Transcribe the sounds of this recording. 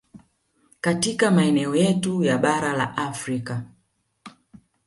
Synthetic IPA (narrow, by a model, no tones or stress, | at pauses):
katikamaɛnɛɔjɛtujaɓaɾala̰ʔafɾika